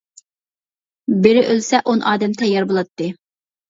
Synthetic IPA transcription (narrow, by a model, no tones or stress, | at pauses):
bɪɾɪʔølsɛʔonʔɑːd̪ɛmt̪ʰɛjːɑɾbolˠɑt̪ːɨ